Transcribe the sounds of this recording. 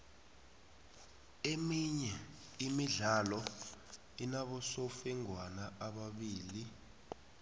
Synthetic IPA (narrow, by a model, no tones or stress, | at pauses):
emiɲɛ | imiɮalɔ | inaɓɔsɔfɛŋwanaʔaɓaɓiːli